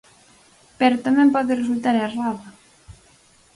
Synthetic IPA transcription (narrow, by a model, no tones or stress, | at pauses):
pɛɾot̪amɛ̃mpɔðɪresult̪aɾeraða